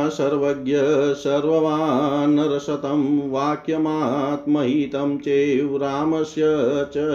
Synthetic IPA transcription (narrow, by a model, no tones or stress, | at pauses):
sɐɾʋɐɡjɐsɐɾʋɐʋaːɦɐnɐɾɐʃɐt̪ɐmʋaːkjɐmaːɦɐt̪mɐɦiːt̪ɐmt͡ʃeːʋɾaːmɐsjɐt͡ʃɐ